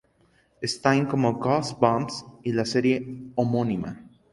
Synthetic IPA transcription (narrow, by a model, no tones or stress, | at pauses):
est̪ãj̃ŋkomoɡɔsbãmsilaseɾjeomõnima̰